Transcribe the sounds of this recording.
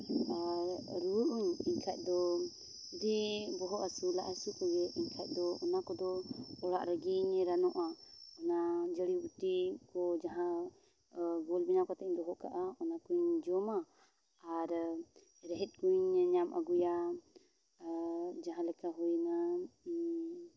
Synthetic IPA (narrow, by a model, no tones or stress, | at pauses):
aɾɾuəʔuŋiɲkʰaʔ̚ˀd̪ɔ | d̪ɛbɔɦɔʔasiulaʔasikɔɡɛiɲkʰaʔ̪̚d̪ɔɔnakɔd̪ɔɔɽaʔɾəɡiɲɾanɔʔaɔnad͡ʒəɽibutikɔd͡ʒaɦã | ɡɔlbinakɔt̪ɛɲd̪ɔɦɔʔka̰ʔaɔnakuɲd͡ʒɔma | aɾ | ɾɛɦɛt̪̚kuɲɲamʔa̰ɡuja | d͡ʒaɦãlɛkaɦujna